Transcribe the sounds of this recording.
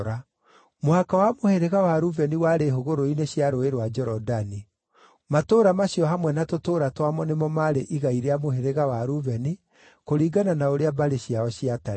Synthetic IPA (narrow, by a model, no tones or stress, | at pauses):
ɾa | moakawamoheɾeɣawaɾuvɛniwaɾeɦoɣoɾoineɕjaɾoeɾwad͡ʒɛɾɔdani | matoːɾamaɕjɔɦamwɛnatotoːɾatwamɔnemɔmaɾeʔiɣaiɾeamoheɾeɣawaɾuvɛni | koɾiːɡananaoɾeabaɾeɕjaɔɕiata